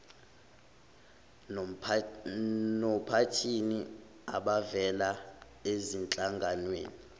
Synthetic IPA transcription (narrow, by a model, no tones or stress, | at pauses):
nɔpʰatʰini | a̰ɓavɛla | ezint͡ɬʼaŋɡʱanwḛːni